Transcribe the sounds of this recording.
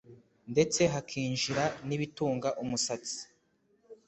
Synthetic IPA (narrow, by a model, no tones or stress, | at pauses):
nde̞t͡se̞ɦakʰiːɲʒiɾaniβituːŋɡaʔumusat͡si̥